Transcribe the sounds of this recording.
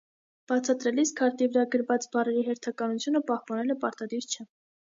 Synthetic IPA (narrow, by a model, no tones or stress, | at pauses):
b̥ɑt͡sʰɑt̪ɾɛliskʰɑɾt̪ivəɾɑɡəɾvɑt͡sbɑrɛɾiɦɛɾt̪ʰɑkɑnut͡sʰjunəpɑhpɑnɛləpɑɾt̪ɑd̪iɾt͡ʃʰɛ